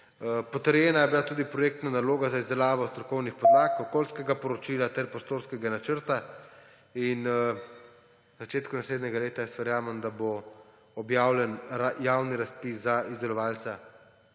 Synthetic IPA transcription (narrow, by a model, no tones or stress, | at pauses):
pɔt̪əɾjɛːnajɛbilat̪uːd̪ipɾɔjeːk̚t̪nanaloːɡazaizd̪ɛlaːʋɔst̪ɾɔkɔwnixpɔd̪ɾaːkɔkoːlskɛɡapɔɾɔt͡ʃiːlat̪ɛɾpɾoɔst̪oːɾskɛɡanat͡ʃəɾt̪a | in | zat͡ʃeːt̪kunasleːd̪nɛɡaleːt̪ajɛst̪ʋɛɾjaːmɛmd̪abo | ɔbjaːwlɛnɾajawniɾaspiszaizd̪ɛlɔʋaːlt̪sa